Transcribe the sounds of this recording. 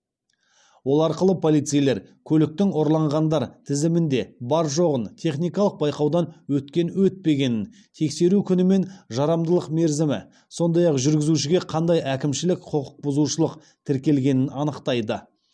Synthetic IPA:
wo̞lˠɑɾqəlˠəpʰo̞lˠijt̪sɨjle̞ɾkʲʰɵlɪk̚t̪ɪŋo̞ɾlˠɑɴʁɑnd̪ɑɾt̪ʰɪzɪmɪnd̪e̞bɑɾʒo̞ʁənt̪ʰe̞χnijkɑlˠəq̚bɑjqɑwd̪ɑnwɵt̪kʲe̞nwɵt̪̚pe̞ɡʲe̞nɪn | t̪ʰe̞kse̞ɾukʲʰʏnɪme̞nʒɑɾɑmd̪əlˠəqme̞ɾzɪmɪ̰ | so̞nd̪ɑjɑqʒʏɾɡʲɪzuʃɪɡʲe̞qʰɑnd̪ɑjʔækʲɪmʃɪlɪkqʰoqə̥q̚bʊzuʃəlˠəq | t̪ʰɪɾkʲe̞lɡʲe̞nɪnɑnəqt̪ɑjd̪ə

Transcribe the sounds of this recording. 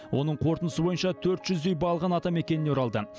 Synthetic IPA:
wo̞nəɴqʰo̞ɾt̪ənəsəbo̞jənʃɑt̪ʰɵɾt̪ʒ̥ʏzd̪e̞jbɑlˠʁɑnɑt̪ɑme̞kʲe̞nɪneoɾɑlˠd̪ə

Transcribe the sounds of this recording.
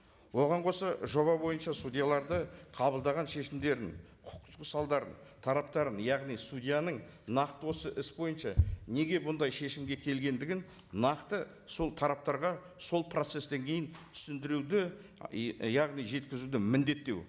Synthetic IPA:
wo̞ʁɑɴqʰo̞sɑʒo̞βɑbo̞jənʃɑst̪udʲijalˠɑɾd̪əqʰɑbəlˠd̪ɑʁɑnʃe̞ʃɪmd̪e̞ɾɪn | qʰʊ̥qt̪əsɑlˠd̪ɑɾə̰n | t̪ʰɑɾɑp̚t̪ɑɾənjɑʁnijsud̪ʲijanəɴ | nɑqt̪əwo̞səʔɪsbo̞jənʃɑne̞ɡʲe̞bʊnd̪ɑjʃe̞ʃɪmɡʲe̞kʲʰe̞lɡʲe̞nd̪ɪɡʲɪn | nɑqt̪ə | so̞lˠt̪ʰɑɾɑp̚t̪ɑɾʁɑ | so̞lˠpʰro̞t̪se̞st̪e̞ŋkʲʰe̞jɪnt̪ʰʏ̥sɪnd̪ɪɾud̪ɪ | jɑʁnijʒe̞t̪kʲɪzud̪ɪmɪnd̪e̞t̪ːe̞̰w

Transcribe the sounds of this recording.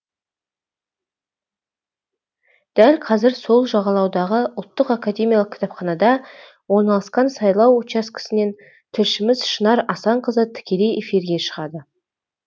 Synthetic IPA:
d̪̥ælʲqʰɑzɪɾso̞lˠʒɑʁɑlˠɑwd̪ɑʁəʊlˠt̪ːəqakadʲe̞mʲijɑlˠəqkʲʰɪ̥t̪ɑpχɑnɑd̪ɑ | wo̞ɾnɑlˠəsqɑnsɑjlˠɑwot͡ʃɑskʲɪ̥sɪne̞n | t̪ʰʏɾʃɪmɪzʃənɑɾɑsɑɴqəzət̪ʰɪ̥kʲe̞le̞jʔefiɾɡʲe̞ʃəʁɑd̪ə

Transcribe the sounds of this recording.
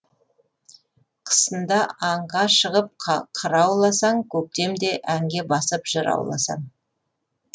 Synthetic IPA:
qʰə̥sənd̪ɑɑɴʁɑʃəʁəp̚qqʰəɾɑwlˠɑsɑŋkʲʰɵk̚t̪e̞md̪e̞ʔæŋɡʲe̞bɑsəpʒ̥əɾɑ̰wlˠɑ̰sɑ̰ɴ

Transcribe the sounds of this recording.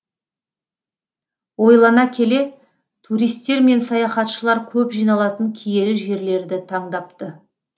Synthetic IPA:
wo̞jlˠɑnɑkʲʰe̞le̞ | t̪ʰuɾijst̪ːe̞ɾme̞nsɑjɑχɑt̪ʃəlˠɑɾkʲʰɵpʒijnɑlˠɑt̪əŋkʲʰije̞lɪʒe̞ɾle̞ɾd̪ɪt̪ʰɑɴd̪ɑp̚t̪ə

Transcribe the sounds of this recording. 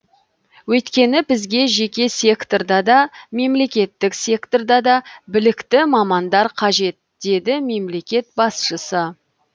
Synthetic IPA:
wɵt̪kʲe̞nɪbɪzɡʲe̞ʒe̞kʲe̞se̞kt̪o̞rd̪ɑd̪ɑme̞mle̞kʲe̞t̪ːɪkse̞kt̪o̞rd̪ɑd̪ɑbɪlɪkt̪ɪmɑmɑnd̪ɑɾqʰɑʒe̞t̪d̪e̞d̪ɪme̞mle̞kʲe̞t̪̚bɑsʃəsə

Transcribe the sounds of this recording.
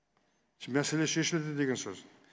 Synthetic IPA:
mæseleʃeʃɪld̪ɪd̪eɡʲensɵz̥

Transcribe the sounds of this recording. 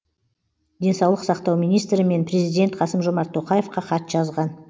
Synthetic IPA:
d̪e̞nsɑwlˠəqsɑqt̪ɑwmijnijst̪ɾɪme̞npʰɾʲe̞zijd̪ʲe̞nt̪qʰɑsəmʒo̞mɑɾt̪ʰːo̞qɑje̞fqɑqʰɑt̪ʒɑzʁɑn

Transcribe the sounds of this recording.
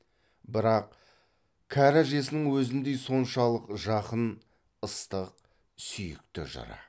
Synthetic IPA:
bɪɾɑq | kʲʰaɾaʒe̞sɪnɪŋwɵzɪnd̪e̞jso̞nʃɑlˠəqʒɑqən | əst̪əq | sʏjɪkt̪ɪʒɑ̰ɾɑ̰

